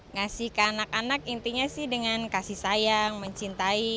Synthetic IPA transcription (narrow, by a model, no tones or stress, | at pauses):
ŋasihkəanakanakint̪iɲasɪhdəŋankasihsajaŋməɲt͡ʃint̪ai